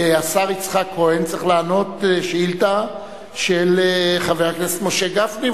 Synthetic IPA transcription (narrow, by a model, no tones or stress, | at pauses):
asaʁit͡sχakʰːohent͡sʁiχlaːno̞t̪ʃeilt̪a | ʃelχaveʁaknese̥t̪moʃeɡafdi